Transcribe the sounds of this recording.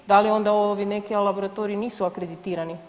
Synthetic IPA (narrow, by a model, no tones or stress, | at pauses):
d̪alio̞nd̪aoʋine̞kilaboɾat̪oɾiiniːsuakɾed̪it̪iːɾani